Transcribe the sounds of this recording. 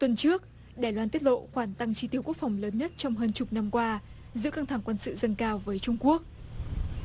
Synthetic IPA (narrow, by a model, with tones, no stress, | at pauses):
t̪wə˨˩nt͡ɕɨ˦˥ək̚ | ɗaː˨˩jlwaː˧nt̪i˦˥t̚lo̰˧˨xwaː˧˩nt̪a˧ŋt͡ɕi˧t̪i˧˩əwku˦˥k̚fa˨˩wŋ͡mləː˨˦nɲə˦˥t̚t͡ɕɔ˧wŋ͡mɦəː˧nt͡ɕʊ˨˩k͡p̚na˧mkwaː˧ | zɨ̰˧˥əka˧ŋt̪ʰa˧˩ŋkwə˧nsɨ̰˧˨zə˧nkaː˧wvəː˨˦jt͡ɕʊ˧ŋ͡mku˦˥ək̚